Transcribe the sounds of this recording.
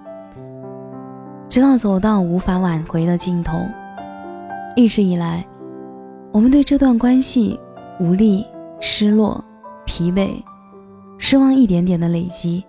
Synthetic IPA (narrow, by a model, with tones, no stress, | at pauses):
ʈ͡ʂɻ̩˧˥t̪ɑ˥˩ʊt͡so˨˩ʊt̪ɑ˥˩ʊu˧˥fa˧˥wa˨˩nxwe˧˥ɪd̪ə˧t͡ɕi˥˩nt̪ʰo˧˥ʊŋ | li˥˩ʈ͡ʂɻ̩˧˥i˨˩la˧˥ɪ | wmə˦nt̪we˥˧ɪʈ͡ʂɤ˥˧t̪wa˥˩nkwa˥nɕḭ˨˩ | u˧˥li˥˩ʂɻ̩˥lwɔ̰˥˩ | pʰi˧˥pe˨˩ɪ | ʂɻ̩˥wɑ˥˧ŋi˥˩t̪jɛ˧˥nt̪jɛ˨˩nd̪ə˦le˨˩ɪt͡ɕi˥